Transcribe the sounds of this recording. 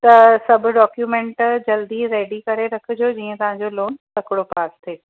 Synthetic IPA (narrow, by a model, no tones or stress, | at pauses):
t̪ɐsɐbʱʊ̆ɖɔːkjuːmẽːɳʈd͡ʑɐld̪iɾeːɖikɐɾeɾɐkʰɪ̆d͡ʑoːd͡ʑiːə̃t̪ɐʋ̤ãɲd͡ʑoloːnsɐkɪɽopaːst̪ʰeː